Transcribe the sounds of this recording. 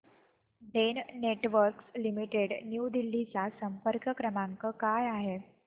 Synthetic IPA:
ɖ̪enneʈʋəɾkslimiʈeɽnjud̪ilːit͡sasəmpəɾkəkɾəmaŋkəkajaɦe

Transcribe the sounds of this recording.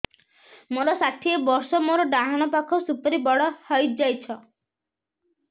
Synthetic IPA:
moɾɔsaʈʰiebɔɾsɔmoɾɔɖaɦaɽ̃ɔpakʰɔsupɔɾibɔɽɔhɔjd͡ʒajt͡ʃʰɔ

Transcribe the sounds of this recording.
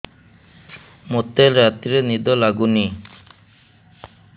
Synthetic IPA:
mot̪ːelɾat̪iɾenid̪ɔlaɡuni

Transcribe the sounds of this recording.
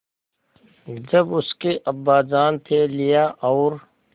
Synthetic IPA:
d͡ʒɐbʊskeʔɐbːaːd͡ʒaːnt̪ʰelɪjaʔɔːɾ

